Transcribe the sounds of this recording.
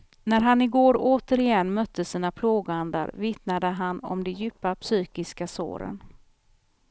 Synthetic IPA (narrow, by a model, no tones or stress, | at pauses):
næɾɦanɪɡoːɾoːt̪əɾɪjɛnːmœt̪ʰːəsiːnapʰloːɡand̪a̰ɾvɪt̪nad̪əɦanɔ̰md̪ɛjʉːpːapsyːkɪskaso̰ːɾə̰n